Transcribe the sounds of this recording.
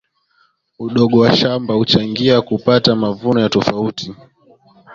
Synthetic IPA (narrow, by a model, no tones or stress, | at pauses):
uɗɔɠɔwaʃambahut͡ʃaŋɡiakupatamavunɔjatɔfauti